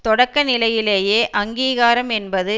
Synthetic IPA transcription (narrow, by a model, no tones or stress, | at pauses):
t̪ɔɽɐkːɐnɪlɐjɪleːjeːʔɐŋɡiːɣaːɾɐmɛnbɐðɯ